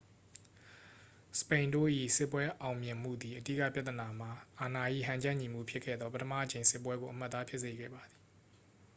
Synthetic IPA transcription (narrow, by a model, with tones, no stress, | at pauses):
sə̥pẽ˨ɪ̃ndo̰˦˨ʔḭ˦˨sɪ˦pːwɛ˦ʔã˨ʊ̃mjɪ̃˨m̥ṵ˦˨d̪i˨ʔədḭ˦˨ka̰˦˨pja˦t̪əna˨m̥a˨ʔa˨na˨ʔḭ˦˨ɦã˨ɲd͡ʑã˦˨ɲi˨m̥ṵ˦˨pʰjɪ˦kʰːɛ̰˦˨d̪ðɔ˦pə˦tʰə˦ma̰˦˨ʔət͡ɕẽ˨ɪ̃sɪ˦˨p̬ːwɛ˦ɡo˨ʔəm̥a˦t̪ːa˦pʰjɪ˦ʔse˨ɡɛ̰˦˨ba˨d̪ði˨